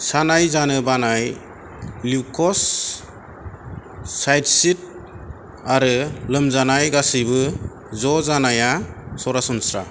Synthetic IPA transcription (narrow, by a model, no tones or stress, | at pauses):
sanajzanɯbanaj | likʰɔs | ajdsit̚ | aɾɯlɯmzanajɡasibɯ | zɔzanajasɔɾasɔnsɾa